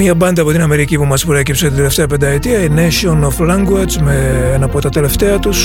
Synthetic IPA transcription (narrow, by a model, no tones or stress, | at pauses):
ɲɐbɐnd̪ɐpo̞t̪inɐme̞ɾicipumɐspɾecipset̪ind̪ele̞ft̪e̞ɐpend̪ɐet̪iɐineʃionoflɐŋɡwɐzmeenɐpot̪ɐt̪e̞le̞ft̪e̞ɐt̪us